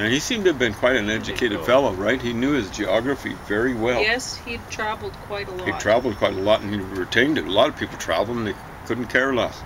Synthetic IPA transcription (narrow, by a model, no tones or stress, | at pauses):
ɨ̃nisĩmtɨːvbɨ̃nkʰw̥aɪɾɨ̃nɛd͡ʒɨkʰeɪɾɨd̥fɛlˠoʊɹaɪt̚hinjʉɨzd͡ʒiɑɡɹɨfḭvɛɹiwɛlˠɛshid̚tʰɹ̥ævl̩ˠd̚kʰw̥aɪɾəhid̚tʰɹ̥ævl̩ˠd̚kʰw̥aɪɾəlɔɾ̃n̩iɹɨtʰẽɪ̃ndɨɾəlɔɾʌv̥pʰipl̩ˠtʰɹ̥æ̰vl̩ˠlˠə̃mn̩ðeɪ | kʰʊdⁿn̩kʰɛɹəlɔt